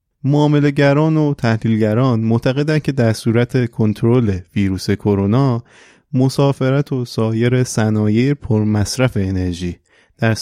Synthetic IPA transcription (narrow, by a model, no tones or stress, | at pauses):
moɒːme̞le̞ɟæɾɒːnot̪ʰæhliːlɟæɾɒːnmoʔt̪ʰæɣe̞d̪æn̚cʰe̞d̪æɾsuːɾæt̪ʰe̞kʰo̞nt̪ʰoɾole̞viːɾuːse̞kʰo̞ɾo̞nɒː | mosɒːfe̞ɾæt̪ʰo̞sɒːje̞ɾe̞sænɒːje̞jepʰoɾmæsɾæfe̞ːne̞ɾʒiː | d̪̥æɾ